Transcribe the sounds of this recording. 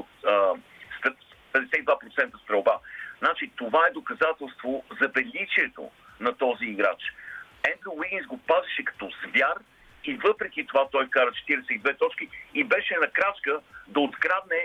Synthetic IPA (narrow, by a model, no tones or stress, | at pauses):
ot̪ə | st̪ | pɛd̪ɛsɛt̪id̪vapɾot̪sɛnt̪əst̪ɾɐwbaznat͡ʃit̪ovaɛd̪okɐzat̪ɛlˠst̪vozɐbɛlʲit͡ʃiɛt̪o̰ | nɐt̪ɔziːɡɾa̰t͡ʃ | ɛnd̪ɾiwiɡʲinsɡopazɛʃɛkɐ̥t̪ɔzvʲjar | ivɤpɾɛkʲit̪ovat̪ɔjkaɾət͡ʃɛ̥t̪iɾɛsɛid̪vɛt̪ɔt͡ʃk̟iibɛʃɛnɐkɾat͡ʃkəd̪ɐot̪ɡɾad̪nɛ